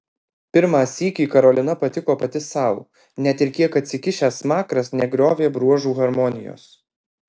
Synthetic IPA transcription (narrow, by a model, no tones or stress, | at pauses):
pʲɪɾmɑːsʲiːkʲiːkɐɾɔlʲɪnɐpɐt̪ʲɪkoːpɐt̪ʲɪsɐˑʊ | nʲɛt̪ɪɾkʲiɛkɐt̪ʲsʲɪkʲɪʃʲæːsmɑːkɾɐsnʲɛɡɾʲoːʋʲeːbɾuɔʒuːɣɐɾmɔnʲɪjo̰ːs